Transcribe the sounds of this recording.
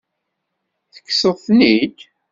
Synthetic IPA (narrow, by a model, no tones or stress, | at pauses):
θə̥kːsəðˤθnid̪